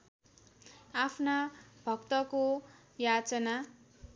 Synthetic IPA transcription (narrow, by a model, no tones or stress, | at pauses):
apʰnabʱʌkt̪ʌko | jat͡sʌna